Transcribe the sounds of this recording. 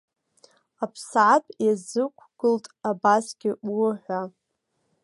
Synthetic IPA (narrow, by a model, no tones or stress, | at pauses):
apʰsʕapʼjazɨkʷʰɡ̥ɨltʼabasɡʲɪʊħʷa